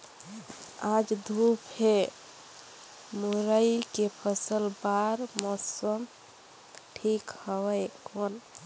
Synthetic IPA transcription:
ad͡ʒd̪ʱupʰɦe | muɾəikepʰəsəlbaɾmɔsəm | ʈʰikhəwəjkon

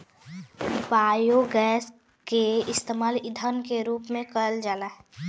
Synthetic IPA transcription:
paːjoɡɛːs | keɪst̪emaːlɪd̪ʱənkeɾuːpmẽkəld͡ʒaːlaɦ

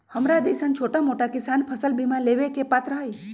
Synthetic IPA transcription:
həmɾad̪eːsənt͡ʃʰoːʈamoʈakɪsaːnpʰəsəlbʱimãleːʋekepat̪ɾəɦəi

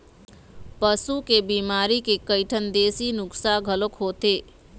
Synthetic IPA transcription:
pəsukebiːmaːɾikekəɪʈʰənd̪eːsinʊksaɡʱəlokɦoːt̪eː

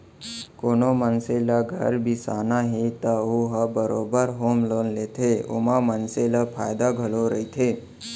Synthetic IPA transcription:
konomənselaɡʱə̰ɾbʱisaːnaɦet̪auɦəbəɾobəɾɦomlonlet̪ʰeo̰mãmənselapʰa̰jd̪aɡʱəloɾəit̪ʰe

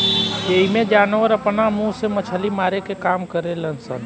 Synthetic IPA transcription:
eɦimẽd͡ʒanəʋəɾəpnamũsemət͡ʃʰəlimaɾekekamkəɾelənsə̰n

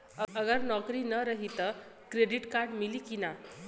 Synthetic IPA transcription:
əəɡəɾnɔkɾiːnəɾəɦit̪ə | kɾeɖiʈkaɾɖmiliːkina

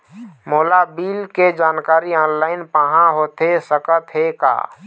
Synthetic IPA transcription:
moːlabiːlked͡ʒaːnkaːɾiɔːnlaːɪnpəɦãɦoːt̪esəkət̪ɦeka̰ː

